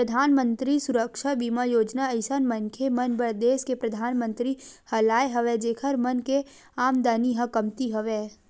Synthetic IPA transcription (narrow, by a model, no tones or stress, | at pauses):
pɾəd̪ʱaːnmə̃nt̪ɾisʊɾəkʃabiːmajoːd͡ʒnaəɪsənmə̃nkʰemɐnbəɾd̪eːskepɾɐd̪ʱaːnmə̃nt̪ɾihɐlaːeɦɐʋed͡ʒeːkʰəɾmɐnke | aːmd̪aːniɦɐkɐmt̪iɦɐʋeː